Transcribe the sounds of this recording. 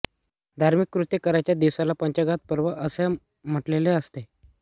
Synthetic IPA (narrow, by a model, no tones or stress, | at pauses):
d̪ʱaɾmikːɾut̪jəkəɾajt͡ɕjad̪iʋsalapəɲt͡ɕəɡat̪̚pəɾʋəʔəse | m̤əʈleleəst̪e